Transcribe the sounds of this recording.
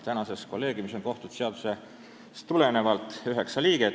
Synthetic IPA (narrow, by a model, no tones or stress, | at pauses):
t̪ænɑsesko̞lːe̞ːɡimiso̞nko̞ht̪ut̪se̞ɑd̪̥u̥se̞ | st̪ule̞ne̞vɑlt̪ˑyɦe̞ksɑliːɡ̥e